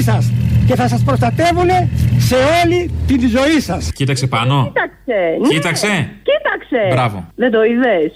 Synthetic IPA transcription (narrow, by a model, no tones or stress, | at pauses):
sɐsce̞θɐs̬ɐspɾo̞st̪ɐt̪e̞vune̞se̞o̞lit̪ind̪izo̞isɐscit̪ɐksepɐnot̪ɐkseit̪ɐkse̞cit̪ɐksebɾɐvo̰ðed̪oiðes